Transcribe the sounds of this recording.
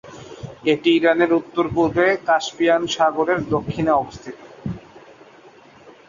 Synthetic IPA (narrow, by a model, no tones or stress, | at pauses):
eʈiiɾaneɾut̪ːoɾpuɾbekaʃpijanʃaɡoɾeɾd̪okʰːineɔbost̪ʰit̪o